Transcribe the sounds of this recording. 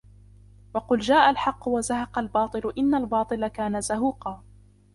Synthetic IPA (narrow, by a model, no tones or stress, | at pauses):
wɑqʊld͡ʒaːʔalħɑqːʊwazahɑqɑlbɑːt̪ˤɨlʊʔɪnːalbɑːt̪ˤɨlakaːnazaɦuːqɑː